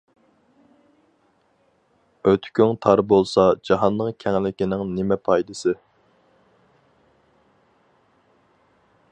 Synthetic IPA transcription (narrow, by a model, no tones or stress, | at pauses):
øt̪ʰkʲyŋt̪ʰɑɾbolˠsɑd͡ʒɑɦɑnːɨŋkʲʰɛŋlɪkʲinɪŋnɪmɛpʰɑjd̪ɨsɨ